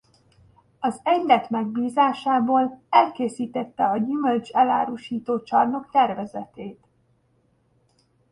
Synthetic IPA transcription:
ɒzɛɲd̪ɛt̪mɛɡ̚biːzaːʃaːboːlɛlkeːsiːt̪ɛt̪ːɛɒɟyːmølt͡ʃɛla̰ːɾuʃiːt̪oːt͡ʃɒrno̞kt̪ɛrvɛzɛt̪eːt̪

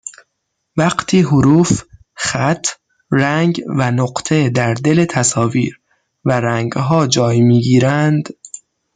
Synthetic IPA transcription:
væɢt̪ʰiːɦoɾuːf | xæt̪ʰ | ræŋɡvænoɢt̪ʰe̞d̪æɾd̪e̞let̪ʰæsɒːviːɾ | væɾæŋɡɦɒːd͡ʒɒːjmiːɡiːɾænd̪

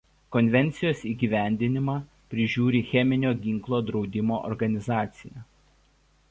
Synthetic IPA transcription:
kɔnʲʋʲɛnʲt̪sʲɪjoːsiːɡʲiːʋʲæˑnʲd̪ʲɪnʲɪmɑː | pʲɾʲɪʒʲuːɾʲiːxʲɛmʲɪnʲoːɡʲɪŋklˠoːd̪ɾɒʊd̪ʲɪmoːʔɔ̰ɾɡɐnʲɪzɑːt̪sʲɪjɛ

